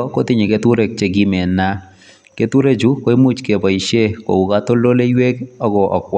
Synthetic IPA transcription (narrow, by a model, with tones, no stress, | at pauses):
ɔ˦ko˦t̪ɪ˦ɲe˨ke˦t̪u˦ɾe˦˨k̚t͡ʃe˨ɡi˦mɛ˨na˦ | ke˦t̪u˦ɾe˦d͡ʒu˦ko˦e˦mu˦t͡ʃke˨ba˨i˨ʃe˦ko̰˨u˨ka˦t̪o˦lo˦le˦iwe˦kɔ˦ɡɔ˨ʔɔ˨kw